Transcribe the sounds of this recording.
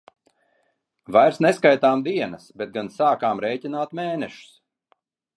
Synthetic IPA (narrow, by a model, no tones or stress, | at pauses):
vajɾsneskajt̪aːmd̪iɛnɐsbet̪̚ɡansaːkaːmɾɛjcinaːt̪meːnɛʃu̥s